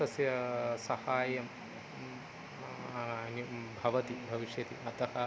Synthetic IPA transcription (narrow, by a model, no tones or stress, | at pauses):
ɐsjɐsɐhaːjɐm | ɐnubʱɐʋɐt̪ibʱɐʋiʃjɐt̪iʔɐt̪ɐhɐ